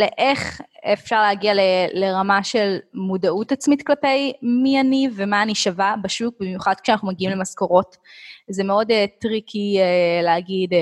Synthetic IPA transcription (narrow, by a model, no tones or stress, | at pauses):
leʔeχefʃaʁleaɡialeleʁamaʃe̞lmudautat͡smitklape̞jmianivemaːniʃavabaʃuk̚bimjuχad̥̪̚kʃeanaχnumaɡiimlemasko̞ʁo̞t | zemeo̞detʁikʰieleaɡid